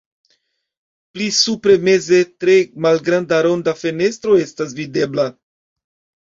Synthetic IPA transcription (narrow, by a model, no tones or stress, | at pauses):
plisupɾe̞me̞ze̞tɾe̞malɡɾandaɾo̞ndafe̞ne̞stɾo̞e̞stas̬vide̞bla